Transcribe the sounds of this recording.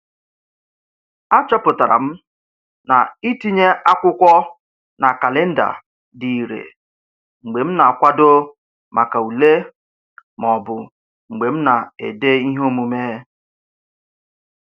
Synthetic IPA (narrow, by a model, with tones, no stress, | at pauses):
a˦t͡ʃɔ˦pʊ˨ta˨ɾa̰˨m̩˦ | na˨i˦ti˦ɲe˦a˦kʷʊ˦kʷɔ˦ | na˨ka˨le˦n̩˦da̰˨ | di˨i˨ɾḛ˨ | ŋ͡m̩˨ɡ͡be˨m̩˦na˨kʷa˦do˦ | ma˨ka˨u˨le˦ | mɔ˨bʊ˨ | ŋ͡m̩˨ɡ͡be˨m̩˦na˨ḛ˨de˦i˦ɦo˦mu˨me˦